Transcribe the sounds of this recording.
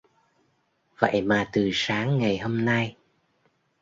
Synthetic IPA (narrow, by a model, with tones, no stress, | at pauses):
və̰˧˨jmaː˨˩t̪ɨ˨˩saː˨˦ŋːa˨˩jho˧mna˧j